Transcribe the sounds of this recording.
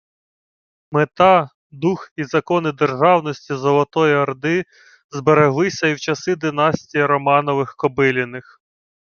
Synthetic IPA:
met̪ɑ | d̪uxizɐkɔnɪd̪erʒɑwnɔsʲtʲizɔlˠɔt̪ɔjiɐrd̪ɪ | zbeɾeɦlˠɪsʲɐiwt͡ʃɐsɪd̪ɪnɑsʲtʲijiɾɔmɑnɔʋɪxkɔbɪlʲɪnɪx

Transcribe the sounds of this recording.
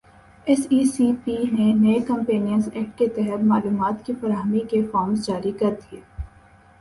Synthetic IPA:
ɛsiːsiːpiːneneekɐ̃mpẽːnijənzɛːk̚ʈ̚ket̪ɛɦət̪maːluːmaːt̪kifɐɾaːɦəmikefɔːmzd͡ʒaːɾikɐɾd̪iɛː

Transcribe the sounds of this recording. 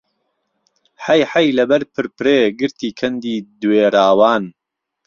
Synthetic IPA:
ħɐjħɐjlɐbɐɾpʰɨɾpɨɾeːɡɨɾt̪iːkʰɐnd̪iːd̪weːɾaːwaːn

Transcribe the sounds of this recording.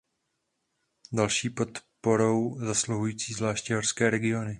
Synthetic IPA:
dalʃiːpo̞t̪po̞ɾo̞wzasluɦujiːt͡siːzvlaːʃcɪɦorskɛːɾɛɡɪo̞nɪ

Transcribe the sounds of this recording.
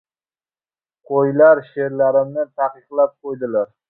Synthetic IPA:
qʰojlaɾʃeɾlaɾɪmnɪt̪ʰaqɨqlˠap̚qʰojd̪ɪlaɾ

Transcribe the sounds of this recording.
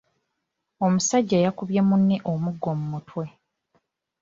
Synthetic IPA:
o̞musaɟːeːjakuβje̞munːeʔomuɡːo̞mumutwe̞

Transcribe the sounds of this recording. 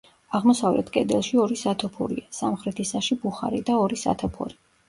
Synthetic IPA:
aʁmɔsavlʔɛ̰t̪ʰkʼɛd̪ɛlˠʃiɔɾisat̪ʰɔpʰɔ̰ɾḭasamχɾɛt̪ʰisaʃibuχa̰ɾid̪aɔɾisa̰t̪ʰɔpʰɔ̰ɾi

